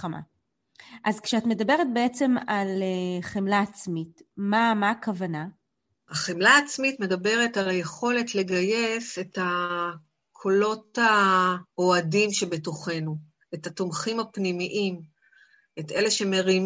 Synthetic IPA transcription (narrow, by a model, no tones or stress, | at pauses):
ama̰ | ʔazkʃeatme̞dabe̞ʁet̚be̞et͡se̞maleχemlaːt͡smitmamaːkavana | aχemlaːt͡smitme̞dabe̞ʁetalaje̞χo̞letle̞ɡajese̞ta | kʰo̞lo̞taoadimʃe̞be̞toχe̞nu | etatomχimapnimiʔim | e̞teleʃe̞me̞ʁim